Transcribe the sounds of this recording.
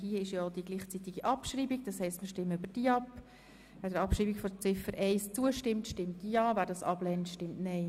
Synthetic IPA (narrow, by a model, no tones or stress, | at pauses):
hiəɪʃjɔd̥iɡliːχt͡sit̪iɡiʔɑpʃɾiːbiɡ̚d̥ɑshɛɪstməʃtɪmːəybəɾd̥iɑpː | ʋæːdəɾɑpʃriːbikfɔt͡sɪfəɾʔɛɪst͡suəʃtɪmtʃtɪmtijɑːvæːɾdɑsɑb̥lɛntʃtɪmtnɛɪ